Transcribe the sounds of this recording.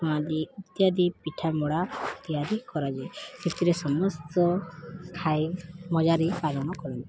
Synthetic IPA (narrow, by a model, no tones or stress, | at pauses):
uad̪iut̪jad̪ipiʈʰamɔɽat̪ijaɾikɔɾad͡ʒesit̪iɾesɔmɔst̪ɔkʰajmɔd͡ʒaɾipalɔnɔkɔɾant̪i